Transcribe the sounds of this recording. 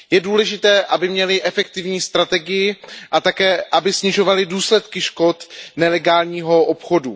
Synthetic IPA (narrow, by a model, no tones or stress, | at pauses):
jɛduːlɛʒɪt̪ɛːʔabɪmɲɛlɪʔɛfɛk̚t̪ɪvɲiːst̪ɾat̪ɛɡɪjɪʔat̪akɛːʔabɪsɲɪʒo̞valɪduːslɛt̪kɪʃko̞t̪nɛlɛɡaːlɲiːɦo̞ʔopxo̞du